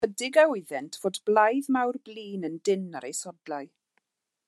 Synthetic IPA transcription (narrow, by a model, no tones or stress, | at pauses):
ədɪɡaɪɨðɛntʰv̥oːdblˠajðmawrbliːnəndɪnaɾejsɔdlˠaɨ